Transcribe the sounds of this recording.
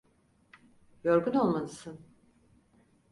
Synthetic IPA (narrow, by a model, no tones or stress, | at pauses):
jo̞ɾɡuno̞lˠmalˠɯsɯn